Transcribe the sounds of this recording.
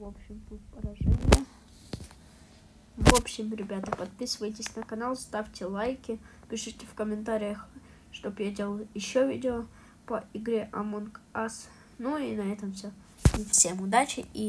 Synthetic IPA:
vopɕːɪmt̪ut̚ʲpəɾɐʐɛnʲɪjə | vo̞pɕːɪmɾʲɪbʲat̪əpɐt̪̚pʲisɨvəjt̬ʲɪsʲnəkɐnalˠst̪afʲtʲɪlˠajkʲɪpʲɪʂɨtʲɪfkəmʲɪnt̪aɾʲɪjəx | ʂt̪o̞bjadʲe̞lˠəjɪɕːovʲḭdʲɪo | pəʔɪɡɾʲeʔɐmunkas | nuinɐɛt̪əmfsʲo | nʲɪfsʲe̞mʊd̪at͡ɕɪi

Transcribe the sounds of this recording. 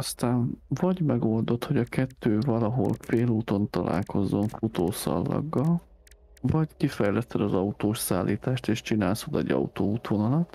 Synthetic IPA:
ɒst̪aːɱvɒɟmɛɡo̞ld̪o̞t̪ho̞ɟɒkɛt̪ːøːvɒlɒɦo̞̰lfeːluːt̪o̞nt̪ɒlʔa̰ːlko̞zːo̞ɱfot̪oːsɒ̰lːɒ̰ɡːɒl | vɒckifɛjlɛst̪ːɛd̪ɒzɒut̪oːʃsaːlːʔiːt̪aːʃt̪eːʃt͡ʃinaːlsod̪ɛ̰ɟɒ̰ut̪oːuːt̪ʰoːnɒlɒt̪ː

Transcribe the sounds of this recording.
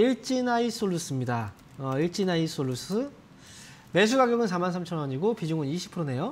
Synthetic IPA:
iɭt͡ɕ͈inais͈oɭːus͈ɯmɲida | ʌiɭt͡ɕ͈inais͈oɭːus͈ɯ | me̞s̬ʰuɡaɡjoɡɯnsʰamansʰamt͡ɕʰʌnʌɲiɡopid͡ʑoŋɯniɕʰi̥pʰɯɾone̞jo

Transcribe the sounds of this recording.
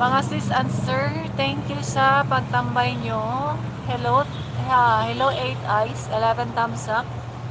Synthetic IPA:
mɐŋasɪsɐnsɛɹt̪ɛŋkjusɐpɐɡ̚t̪ɐmbajɲohɛlow | ahɛlowʔejt̪ajsʔɛlɛvɛnt̪amsɐk̚

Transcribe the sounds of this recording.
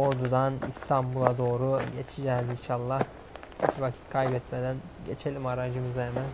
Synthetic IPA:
oɾd̪ud̪anḭst̪ʰambulˠad̪o̞ːɾuɟe̞t͡ʃʰid͡ʒɛːzinʃalˠːah | ḭt͡ʃʰvacʰi̥t̪kʰajbɛt̪med̪æn | ɟe̞t͡ʃʰe̞lʲimaɾand͡ʒɯmɯzaemæn

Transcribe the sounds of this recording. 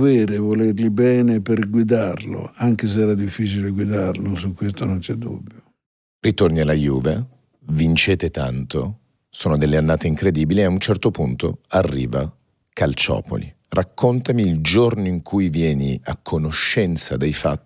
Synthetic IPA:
veːɾevolerlibɛːneperɡwid̪arlo̰aŋkes̬ɛːɾad̪ifːiːt͡ʃileɡwid̪arlosukːwest̪onont͡ʃɛd̪ːṵbːjo | rit̪ornialajuːve | vint͡ʃeːt̪et̪ant̪o̰ | soːnod̪elːeanːaːt̪eiŋkɾed̪iːbiliaunt͡ʃɛrt̪opunt̪o̰arːḭːva | kʰalt͡ʃɔ̰ːpo̰lḭ | rakːont̪amiːld͡ʒornoiŋkʰujvjɛːnia̰kʰːonoʃːɛnt̪sad̪ejfa̰t̪ː

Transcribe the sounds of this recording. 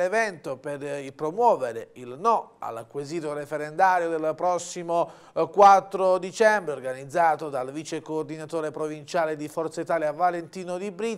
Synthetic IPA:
evɛnt̪operilpɾomwɔːveɾeilnɔa̰lakweziːt̪̬oɾefeɾend̪aːɾjod̪elpɾɔsːimo | kwat̪ːɾod̪it͡ʃɛmbɾeorɡanid̪zːaːt̪od̪alvit͡ʃekoːrd̪inat̪oːɾepɾovint͡ʃaːled̪ifɔrt̪sait̪aːljavalent̪iːnod̪ibɾi

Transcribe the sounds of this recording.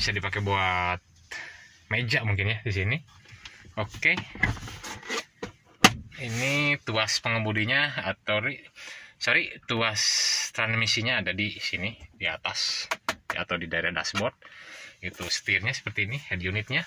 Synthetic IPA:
bisadipakebuat̪̚ | med͡ʒaʔmuŋk̬ɪnjadis̬ini | oke | init̪uaspəŋəbudiɲaat̪awɾisaɾit̪uast̪ɾanmisiɲaːdadisinidia̰t̪as | a̰t̪awdidaeɾahda̰sbɔrt̪̚it̪usə̥t̪irɲasə̥pərt̪iːnihɛdijunɪt̪̚ɲa

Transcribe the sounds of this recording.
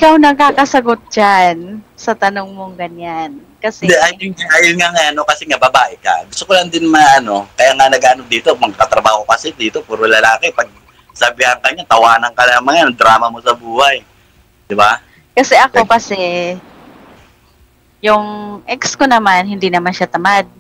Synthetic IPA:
ʔɪkawnɐɡ̚kːaːkɐsɐɡot̪̚d͡ʒansɐt̪ɐnoŋmoŋɡɐɲan | kɐsɛʔajʊaʔajʊnŋaŋajanokɐsɛŋabɐbaːʔɪka̰ɡʊst̪okoland̪ɪnmaʔɐno̞kɐjaŋanɐɡʔaːnok̚d̪iːt̪omɐɡkat̪ɾɐbaːhokɐsɛd̪iːt̪opuɾolɐlaːkɪpɐɡ̚ | sɐbɪhaŋkɐɲat̪ɐwaːnɐŋkɐnamɐŋand̪ɾaːmɐmo̞sɐbuːhaj | d̪ɪba | kɐsɛʔɐko̞kɐsɛ | jʊŋʔɛkskonɐmanhɪnd̪inɐmanʃat̪ɐmad̪̚

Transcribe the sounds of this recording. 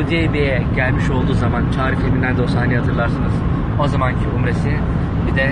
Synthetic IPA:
ud̪iebejɛɟælʲmiʃo̞lˠd̪uːzamant͡ʃʰaːɾifemind̪ænd̪o̞saːnʲihat̪ʰɯɾlˠaɾsanɯz̥ | ozamancʰiumɾesi | bid̪ɛ

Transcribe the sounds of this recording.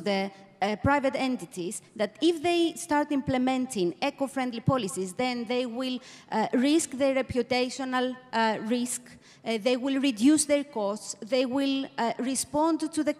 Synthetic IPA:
ðə | pɾajvet̪ɛ̃nt̪it̪izðat̪ifðejst̪aɾt̪ĩmplemɛ̃nt̪ĩŋekofɾɛ̃nd̪lipɔlisizðẽnðejwilɹiskðəɹepjut̪ejʃonalɹisk | ðejwilɹidjusðeɹkɔstsðejwilɹispɔ̃nd̪t̪uðe

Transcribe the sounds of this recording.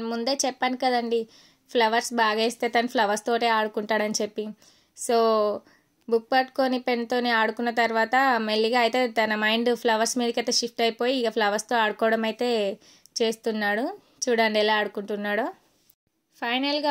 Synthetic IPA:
nmund̪e̞ːt͡ʃɛpːɐnikɐd̪ɐɳɖi | pʰlɐʋɐɾsbaːɡeːst̪e̞ːt̪ɐnupʰlɐʋɐɾst̪o̞ːʈe̞ːaːɽukuɳʈaːɽɐnit͡ʃe̞pːi | so̞ː | buk̚pɐʈko̞ːnipe̞nt̪o̞ːneːaːɽukunːɐt̪ɐɾʋaːt̪ɐmeɭːiɡaːɐjit̪e̞ːt̪ɐnɐmɐjɳɖpʰlɐʋɐɾsmiːd̪ɐkɐt̪ːɐʃipʰʈɐjpo̞ːjiːɡɐpʰlɐʋɐɾst̪o̞ːaːɽukɔːɽɐmɐjt̪e̞ː | t͡ʃe̞ːst̪unːaːɽu | t͡ʃuːɽaɳɖiɛlaːɐɽukuɳʈunːaːɽo | pʰɐjnɐlɡaː

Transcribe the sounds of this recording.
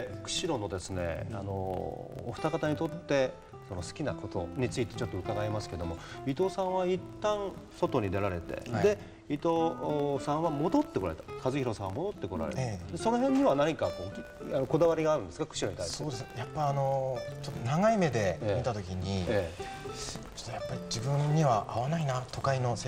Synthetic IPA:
kɯ̟̥ɕiɾo̞no̞d̪e̞sɨne̞̰ano̞̰ːɸ̟t̪akat̪aɲ̟it̪o̞t̪ːe̞ | so̞no̞sɨ̥kʲinako̞t̪o̞̰ɲ̟it͡sɨit̪e̞t͡ɕo̞t̪ːo̞ɯ̟k̪aɡaemasɨ̥ke̞d̪o̞mo̞it̪o̞ːsãɰ̃βait̪ːãɰ̃so̞t̪oɲ̟id̪e̞ɾaɾe̞t̪e̞̰d̪e̞ | it̪o̞sãɰ̃βamo̞d̪o̞t̪ːe̞koɾa̰et̪ḁkazɨçʲiɾo̞sãamo̞d̪o̞t̪ːe̞ko̞ɾa̰ɾḛd̪e̞so̞no̞ɦẽ̞ɲ̟ːiβanaɲ̟ikakoːanoko̞d̪aβaɾʲiɡaːɾɯ̟nd̪sɨ̥kakɯ̟̥ɕiɾo̞ɲ̟it̪aisoːd̪esjapːaano̞t͡ɕot̪ːonaŋaime̞d̪e̞eːmʲit̪at̪o̞kʲiɲ̟ieː | t͡ɕo̥t̪ːojapːaɾʲid͡ʑibɯ̟̃ɲːiβaʔaβanainat̪ʰo̞kaino̞se

